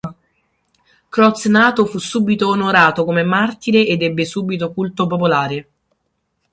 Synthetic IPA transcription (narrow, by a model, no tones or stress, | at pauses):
kɾɔt̪snaːt̪ofusːuːbit̪oːnoɾaːt̪okomemart̪iɾeʔed̪ɛbːesuːbit̪okult̪op̬opolaːɾe